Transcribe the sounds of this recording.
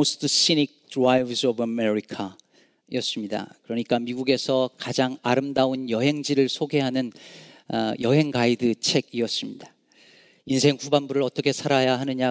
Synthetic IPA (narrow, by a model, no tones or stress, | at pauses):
ostʰɯs͈inik̚tuaibsobameɾikʰa | iʌs͈ɯmɲida̰kɯɾʌɲik͈amiɡuɡe̞sʰʌkad͡ʑaŋaɾɯmdaunjʌɦe̞ŋd͡ʑiɾɯɭsʰoɡe̞ɦanɯn | jʌɦe̞ŋɡaidɯt͡ɕʰe̞ɡiʌs͈ɯmɲid̥a | ins̬ʰe̞ŋɸubanbuɾɯɭʌt͈ʌkʰe̞sʰaɾajaɦanɯɲa